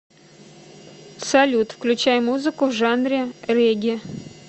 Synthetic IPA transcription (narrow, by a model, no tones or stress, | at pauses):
sɐlʲut̪fklʲʉt͡ɕæjmuzɨkʊvʐanɾʲɪrʲeɡʲɪ